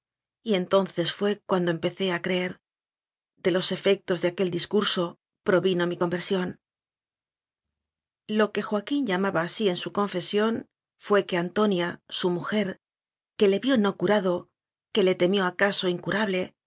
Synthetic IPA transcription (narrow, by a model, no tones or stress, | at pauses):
ie̞nt̪o̞nθe̞sfwe̞kwand̪o̞e̞mpe̞θe̞akɾe̞eɾ | ðe̞lo̞se̞fe̞k̚t̪o̞zðeake̞ld̪iskuɾso̞ | pɾo̞βino̞miko̞mbe̞ɾsjo̞n | lo̞ke̞xwakinʎamaβaːsie̞nsuko̞ɱfe̞sjo̞n | fwe̞ke̞ant̪o̞njasumuxe̞ɾ | ke̞le̞βjo̞no̞kuɾaðo̞ | ke̞le̞t̪e̞mjo̞akaso̞iŋkuɾaβle̞